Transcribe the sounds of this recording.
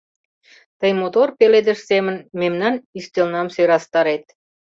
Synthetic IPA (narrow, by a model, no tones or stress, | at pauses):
t̪əjmot̪orpeled̪ə̆ʃsemə̆nmemnɑnyst̪elnɑmsøɾɑst̪ɑɾet̪̚